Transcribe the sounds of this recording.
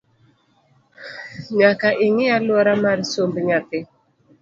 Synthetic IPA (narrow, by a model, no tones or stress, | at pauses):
ɲakaʔiŋialuaɾamaɾisombəɲat̪ɪ